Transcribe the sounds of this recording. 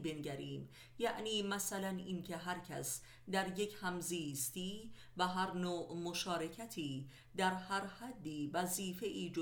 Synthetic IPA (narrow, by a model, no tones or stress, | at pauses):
benɟæɾiːm | jæʔniːmæsælænʔiːncʰeɦæɾcʰæs | d̪æɾjecʰhæmziːst̪iː | væɦæɾnoːʔmoʃɒːɾe̞cʰæt̪ʰiː | d̪æɾhæɾhæd̪ːiːvæziːfeʔiːd͡ʒo